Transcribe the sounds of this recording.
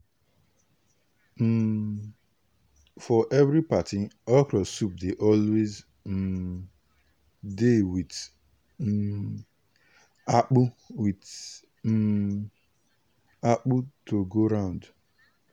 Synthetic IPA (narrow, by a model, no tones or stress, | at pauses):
fɔʔɛvɾipatiɔkɾɔsup̚deʔɔlwez̩ | dewit | ak͡puwit | ak͡putoɡoɾãʊ̃nd